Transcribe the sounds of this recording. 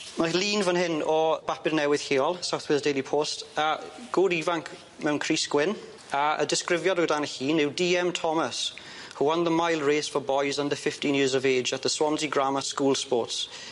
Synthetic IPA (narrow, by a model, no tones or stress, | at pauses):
maliːnvənɦɪnɔb̥apɪɾnɛwɪð̥heːɔlˠsawθwɛlˠzdeɪlipʰoːstəɡ̥oːɾiːvãŋk | mɛwnkʰɹ̥iskwɪn | əʔə̰dɪskɹɪvjədədanəhiːnɪwdiːɛ̃mtʰɔməs | huwə̃nðəmaɪlˠɹeːsfəbɔɪzə̃ndəfɪftĩnjɪːəzəveːd͡ʒət̪ðəswɔmziɡɹaməskuːlˠspɔːˑts